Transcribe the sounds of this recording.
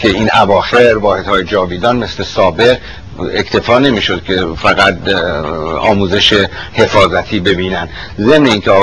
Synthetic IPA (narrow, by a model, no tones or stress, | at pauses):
kʰe̞iːnʔævɒːxe̞ɾvɒːhe̞d̪̥hɒːjed͡ʒɒːviːd̪ɒːnme̞sle̞sɒːbe̞ɣ | ekt̪ʰe̞fɒːne̞miːʃod̪̥cʰefæɣæt̪̚ | ɒ̰ːmuːze̞ʃehe̞fɒːzæt̪ʰiːbe̞biːnænd̪ | ze̞mne̞iːŋcʰeɒː